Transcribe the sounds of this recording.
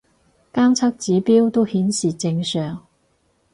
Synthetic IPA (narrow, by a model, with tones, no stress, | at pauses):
kaː˥mt͡sʰɐ˥k̚t͡siː˨˥piː˥wt̪o˥whiː˨˥nsiː˨˩t͡sɪ˧ŋsœː˨˩ŋ